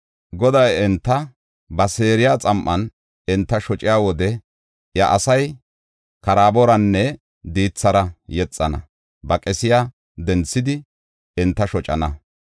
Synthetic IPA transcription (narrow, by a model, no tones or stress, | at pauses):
ɡɔd̪ɐjɛnt̪ːɐ | bɐseːɾɪjaːt͡sʼɐmʔːɐn | ɪnt̪ːɐʃɔt͡ʃʼɪjaːwɔd̪ɛ | jɐʔɐsɐj | kɐɾaːbɔɾɐnːɛ | d̪iːt͡sːɐɾɐjɛt͡sʼːɐnɐ̰ | bɐkʼɛsɪjaː | d̪ɛnt͡sːɪd̪ɪ | ɪnt̪ːɐʃɔt͡ʃʼɐ̰nɐ